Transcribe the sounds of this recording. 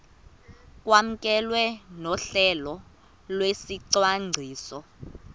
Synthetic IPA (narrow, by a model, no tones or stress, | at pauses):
k̬ʼwam̩k̬ʼɛlwɛnɔɬɛlɔ | lwesiǀwaŋŋ͡ǀʱiːsɔ